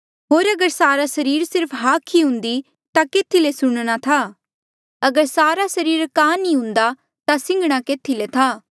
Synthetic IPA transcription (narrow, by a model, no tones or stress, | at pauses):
ɦoːɾɐɡəɾsaːɾasɐɾiːɾsɪɾpʰɦaːkʰiɦʊ̃nd̪i | t̪akeːt̪ʰilesʊɽ̃ɽ̃at̪ʰa | ɐɡəɾsaːɾasɐɾiːɾkaːnĩɦʊ̃nd̪a | t̪asɪ̃ŋɡəɽ̃akeːt̪ʰilet̪ʰaː